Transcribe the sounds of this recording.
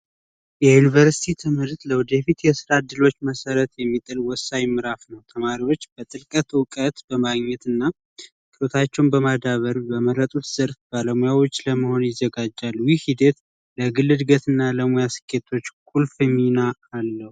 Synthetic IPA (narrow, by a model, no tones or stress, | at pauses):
jɛjunivəɾsi̥t̪ʰit̪ʰɨmɨɾt̪ləwd̪efit̪jɛsɨɾad̪ɨlo̞t͡ʃːməsəɾət̪jɛmːit̪ʼɨlwɔsajmɨɾafnəwt̪ʰəmaɾiwo̞t͡ʃːb̥ət̪ʼɨlkʼət̪wkʼət̪bəmaɡɲɛt̪ɨnːa | kʰʼɨɾot̪ʰat͡ʃːɛwnbəmad̪aβəɾbəməɾət̪ʼut̪z̥əɾfbaləmujawot͡ʃːləməho̞njɪzːəɡad͡ʒːalːwihid̪et̪ | ləɡɨlːɨd̪ɡət̪ɨnːaləmojasɨ̥kʰʼːe̞t̪ʰo̞t͡ʃːkʰʼulfimːinaːlːəhu